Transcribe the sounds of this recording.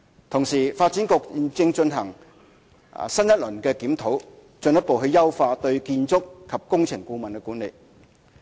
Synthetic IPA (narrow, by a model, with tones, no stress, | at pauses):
t̪ʰʊ˨˩ŋsiː˨˩faː˧t̚t͡siː˨˥nkɔ˧k̚i˨˧nt͡sɪ˧ŋt͡ʃɵ˧nɦɐ˨˩ŋ̰˨ | sɐ˥njɐ˥t̚lɵ˨˩nkɛː˧kiː˨˥mt̪ʰo˨˥w | t͡ʃɵ˧njɐ˥t̚po˨wɦɵ˧ɥjɐ˥wfaː˧t̪ɵ˧ɥkiː˧nt͡sʊ˥kːʰɐ˨p̚kʊ˥ŋt͡sʰɪ˨˩ŋkuː˧mɐ˨nkɛː˧kuː˨˥nle˨j